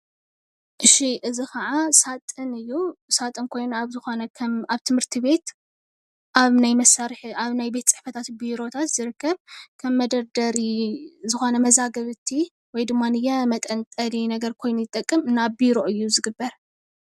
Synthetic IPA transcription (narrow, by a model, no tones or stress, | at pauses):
ʔɨʃiʔɨzixɐʕasat̪ʼɨnɨjːusat̪ʼɨnkʰo̞jnaβzɨxo̞nɐkʰaβt̪ʰɨmhɨɾt̪ʰiβe̞t̪ | ʔaβnajmɐsaɾħaβnajbe̞t̪t͡sʼɨħfɐt̪ʰat̪biɾo̞t̪ʰat̪z̥ɨɾɨkːɐβkʰɐmːɐd̪ɐɾd̪ɐɾizɨxo̞nɐmɐzaɡɐβɨt̪ʰːi | wɔjd̪ɨmːanɨjɛmɐt̪ʼɐnt̪ʼɐlinɐɡɐɾkʰo̞jnujɪt̪ʼːɐkʼːɨmɨnːabiɾo̞ʔɨjːuzɨɡɨbːɐɾ